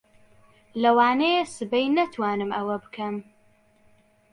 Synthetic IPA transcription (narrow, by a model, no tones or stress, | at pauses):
lɐwaːnejesɨbɛjnɐt̪ʰwaːnɨmʔɐwɐbɨkʰɐm